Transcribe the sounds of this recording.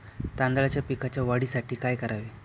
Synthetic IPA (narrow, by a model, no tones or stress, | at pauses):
t̪ãnd̪alat͡ɕjapikat͡ɕjaʋaɽiːsaʈiːkajkəɾaʋi